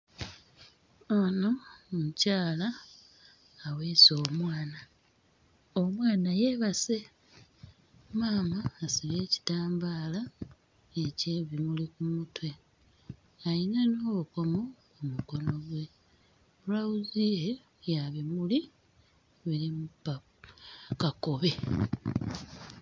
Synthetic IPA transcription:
ono̞mucaːla | we̞ːso̞ːmwaːna | omwaːnajeβase̞ | maːmaːsiβe̞ːci̥taːmbaːla | eceːβimulikumutwe̞ | ajinano̞ːβuko̞mo̞kumuko̞no̞βwe̞ | βulauzie | jaβimuli | βiɾimupa | kako̞βe̞

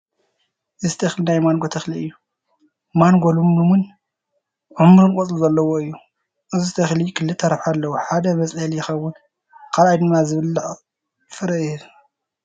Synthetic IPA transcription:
ʔɨzɨt̪ʰɐxlinajmanɡot̪ʰɐxliɨjːu | manɡolumːumɨn | ʕʊmɾunkʼɔt͡sʼluzɐlːɐwoɨjːu | ʔɨzɨt̪ʰɐxlikʰɨlːɨt̪ʰːɐɾɐfħalːɐwoħad̪ɐmɐsʼɐljɪxɐwːʊn | kʰalajd̪ɨmːazɨβɨlːɨʕ | fɨɾɐɨ

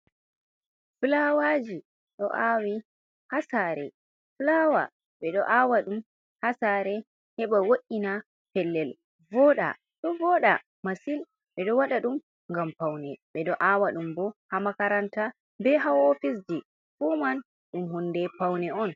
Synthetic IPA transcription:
fɨlawad͡ʒi | ɗɔ̰ʔawi | hasaɾɛ | flawa̰ | ɓɛɗɔ̰ʔawaɗum | hasaɾɛ | hɛɓawoʔina | pɛlːɛl | vɔɗa̰ | ɗɔvɔɗa̰ | masil | ɓɛɗɔwaɗaɗum | ŋɡampawnɛɓɛɗɔʔawaɗumbɔhamakaɾanta | bɛɦawofis̬d͡ʒi | fuman | ɗumhunːdɛpawnɛɔn

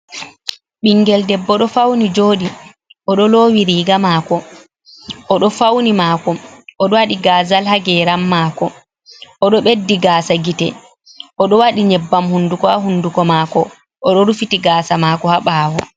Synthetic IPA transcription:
ɓiŋɡɛldɛbːɔɗɔfawnid͡ʒoːɗi | ʔɔɗɔloːwiɾiːɡamaːkɔ | ʔɔɗɔfawnimaːkɔɔɗɔwaɗiɡaːzalhaɡɛɾamːaːkɔ | ʔɔɗɔɓedːiɡaːsaɡitɛ | ʔɔɗɔwaɗiɲɛbːamhundukɔaɦundukɔmaːkɔ | ʔɔɗɔɾufitiɡaːsamaːkɔhaɓawɔ

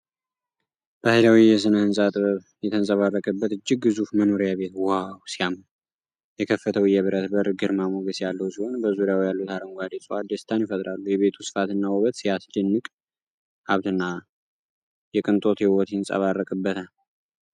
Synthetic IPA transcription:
b̥əhɨlawijɛs̬ɨnəhɨnsʼat̪ʼɨβəβ | jɛt̪ʰənsʼəβarːəkʼəbːət̪ɨd͡ʒːɪɡ̚ːɨzufməno̞ɾijaβe̞t̪wawsiam | jɛkʰəfːət̪ʰəwjɛβɨɾət̪bəɾɡɨɾmamoɡəsjalːəhwsiho̞nbəzuɾijawjalːut̪aɾəŋɡʷad̪isʼuad̪əst̪ʰanjɪfət̪ʼɾalːujɛβe̞t̪ʰusɨ̥fat̪ɨnːawɔβət̪sijasd̪ɨnːɨkʼ | ʔaβt̪ɨnːa | jɛkʼɨnt̪ʼo̞t̪jɛwot̪jnsʼa̰βarːəkʼɨbːət̪ʰa

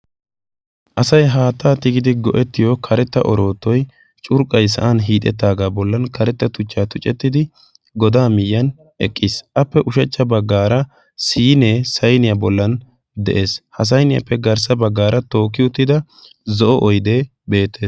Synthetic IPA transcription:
ʔɐsɐjɦaːt̪ːaːt̪ɪɡɪd̪ɪɡɔʔɛt̪ːɪjɔkʰɐɾɛt̪ːɐ̰ʔɔɾo̞ːt̪ːɔj | t͡ʃʼʊɾkʼɐjs̬ɐ̰ʔanɦiːt̪ʼɛ̰t̪ːaːɡaːbɔlːɐnkɐɾɛt̪ːɐt̪ʊt͡ʃːaːt̪ʊt͡ʃʼɛt̪ːɪd̪ɪ | ɡɔd̪aːmɪjːɐn | ʔɛkʼːɪsʔɐpːɛʔʊʃɐt͡ʃːɐbɐɡːaːɾɐ | siːne̞ːsɐjnɪjɐbɔlːɐn | d̪ɛʔe̞ːshɐs̬ɐjnɪjɐ̰pːɛɡɐɾsɐbɐɡːaːɾɐt̪o̞ːkːɪʊt̪ːɪd̪ɐ | zɔʔɔʔɔjd̪e | be̞ːt̪ʰːeːs

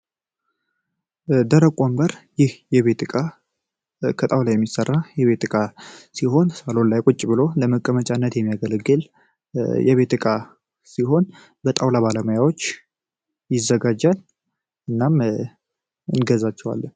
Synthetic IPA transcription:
d̪əɾəkʷʼombəɾjɪhjɛβe̞t̪ɨkʼa | kʰət̪ʼawlajɛmːisərːajɛβe̞t̪ɨkʼasiɦo̞nsalo̞nlajkʼʊt͡ʃʼːbɨlo̞ləməkʼːəmət͡ʃʼanːət̪jɛmːijaɡəlɡɨl | jɛβe̞t̪ɨkʼa | siɦo̞n | bət̪ʼawlaβaləməjawot͡ʃː | jɪzəɡad͡ʒal | ɨnːam | ɨnɡəzat͡ʃːɛwa̰lː

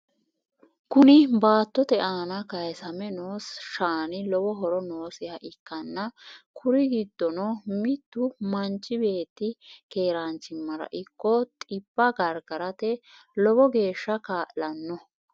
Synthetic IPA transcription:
kʊnɪbaːt̪ːɔt̪ɛʔaːnɐkɐjsɐmɛnoːsʃaːnɪlɔbɔɦɔɾɔno̞ːsɪjɐʔɪkːɐnːɐkʰʊɾɪɡɪd̪ːɔnɔmɪt̪ːʊmɐnt͡ʃːɪbe̞ːt̪ːɪke̞ːɾaːnt͡ʃːɪmːɐɾɐ̰ʔɪkːɔt̪ʼɪbːɐɡɐɾɡɐɾɐt̪ɛ | lɔbɔɡe̞ːʃːɐkaːʔlɐnːɔ

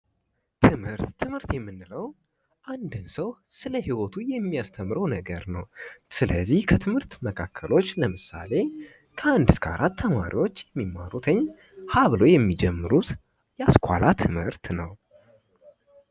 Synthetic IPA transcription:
t̪ʰɨmhɨɾt̪ːʰɨmɨɾt̪jɛmːɨnːɨləw | ʔand̪ɨnsəwsɨləhiwot̪ʰujɛmːijast̪ʰəmːɾəwnəɡəɾnəwsɨləzːihkʰət̪ʰɨmhɨɾt̪məkʰakʰːəlo̞t͡ʃːləmɨsa̰le̞ | kʰəand̪ɨskʰəa̰ɾʔat̪ʰːəmaɾḭwo̞t͡ʃːjɛmːimːa̰ɾut̪ʰəɲː | haβlojɛmːid͡ʒɛmːɨɾut̪ | jɛaskʰʷa̰lat̪ʰɨmhɨɾt̪nəw

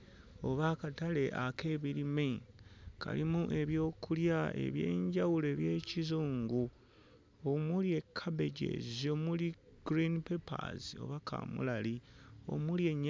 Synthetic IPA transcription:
o̞βakatale̞ʔake̞ːβilimeka̰limuʔe̞βjo̞ːkuljae̞̰βje̞̰ːɲɟawule̞βje̞ːcizuːŋɡu | omulie̞kʰːaβe̞ɟḛzio̞muli | ɡ̥ɾinipepʰa̰zio̞̰βakʰa̰mṵlalio̞̰mulje̞ɲː

